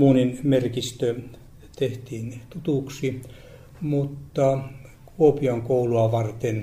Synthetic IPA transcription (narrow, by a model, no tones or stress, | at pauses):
muːninmerkist̪ø | t̪eht̪iːnt̪ut̪uˑksi | mut̪ːɑ | kuopiɑŋkouluɑʋɑrt̪en